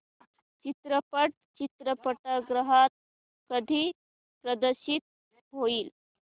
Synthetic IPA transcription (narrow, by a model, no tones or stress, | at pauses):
t͡ɕit̪ɾəpəʈ̚t͡ɕit̪ɾəpəʈəɡɾəɦat̪̚ | kəd̪ʱiː | pɾəd̪əɾɕiːt̪̚ | ɦoiːl